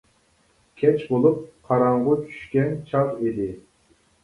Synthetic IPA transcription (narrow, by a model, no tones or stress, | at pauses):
kʲʰɛt͡ʃbolˠup̚qʰɑɾɑɴʁʊt͡ʃʰy̥ʃkʲɛnt͡ʃʰɑʁid̪ɪ